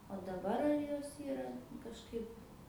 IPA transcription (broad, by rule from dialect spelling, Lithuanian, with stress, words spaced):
oː dɐˈbɐr ɐr ˈjoːs ˈiːrɐ kɐʃˈkɐɪp